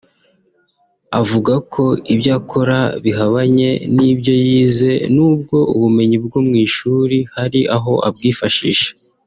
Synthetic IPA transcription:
avuɡakʰo̞ibjaːkʰo̞ɾaβiɦaβaɲe̞̰nibjo̞jiːze̞nuːb̚ɡo̞uβume̞ɲibɡomŋiːʃuːɾihaɾiʔaɦo̞ʔa̰bɡiːfaʃḭːʃḁ

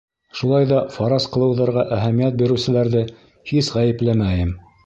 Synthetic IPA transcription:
ʃulˠɑjðɑfɑɾɑsqɤ̆lˠɤ̆wðɑɾʁɑʔæɦæmijæt̪̚biɾɘ̆wsɘ̆læɾðɘ | hisʁæjɘ̆plæmæjɘm

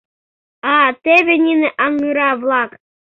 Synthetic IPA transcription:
ɑt̪ʲebʲĕnʲinɘ̆ʔɑŋːɯɾɑvlˠɑk

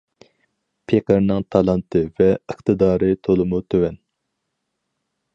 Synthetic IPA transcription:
pʰeqəɾnɨŋt̪ʰɑlˠɑnt̪ʰɨvɛəχt̪ʰɨd̪ɑːɾɨt̪ʰolˠɨmut̪ʰøwɛn

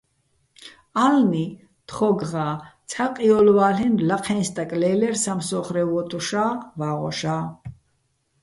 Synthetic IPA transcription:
alni | t̪χɔɡʁaːt͡sʰaqʼiɔlwaːɬɛnlaqʰɛnst̪ʼakʼlɛːlɛɾsamsɔχɾɛvɔt̪ʼuʃaːvaːʁɔ̰ʃaː

